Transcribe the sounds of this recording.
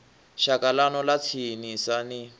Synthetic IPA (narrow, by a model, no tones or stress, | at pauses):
ʃakalanɔlat͡sʰinisani